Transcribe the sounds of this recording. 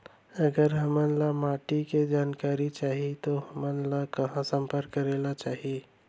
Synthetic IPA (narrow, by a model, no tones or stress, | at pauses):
əɡəɾɦəmənlamaʈiked͡ʒankaɾit͡ʃaɦit̪oɦəmənlakəɦãsəmpəɾkːəɾelat͡ʃaɦi